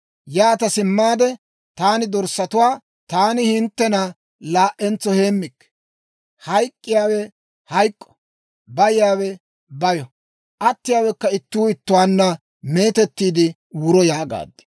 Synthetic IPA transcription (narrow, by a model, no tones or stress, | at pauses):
jaːt̪ɐsɪmːaːd̪ɛ | t̪aːnɪd̪ɔɾsɐt̪ʊwaː | t̪aːnɪhɪnt̪ːɛnɐ | laːʔɛnt͡sːɔheːmːɪkː | hɐjkʼːɪjaːwɛ | hɐjkʼːɔ̥ | bɐjɪjaːwɛ | bɐjɔ | ʔɐt̪ːɪjaːwɛkːɐɪt̪ːuːɪt̪ːʊwaːnːɐ | me̞ːt̪ɛt̪ːiːd̪ɪ | wʊɾɔjaːɡa̰ːd̪ːɛ̥